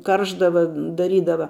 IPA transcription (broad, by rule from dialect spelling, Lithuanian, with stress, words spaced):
ˈkɐrʒdɐʋɐ dɐˈrʲiːdɐʋɐ